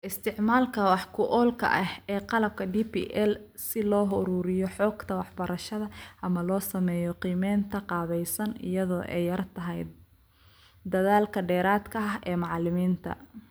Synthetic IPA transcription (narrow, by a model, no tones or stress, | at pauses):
ʔɪst̪ʰɪʕmaːlkʰɐwɑħkʰʊʔɔːlkʰɐ̰ʔɐhɛːqɑlɐb̚kʰɐd̪iːpʰḭːʔɛl | sɪlɔːɦʊɾuːɾɪjɔħɔːɡt̪ʰɐwɑħbɐɾɐʃɐðɐʔɐmɐlɔːsɐmɛːjɔqiːmɛːnt̪ʰɐqɑːβɛjsɐnɪ̰jɐðɔːʔɛ̰jːɐrt̪ʰɐɦɛj | d̪ɐðaːlkʰɐɖɛːɾaːd̪kʰɐɐɦɛːmɑʕlɪmiːnt̪ʰɐ̰